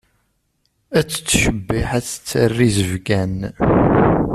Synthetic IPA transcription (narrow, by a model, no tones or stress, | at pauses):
æt͡sːt͡sːʃəbːiħæt͡sːə̥t͡sːərːizəvɡæn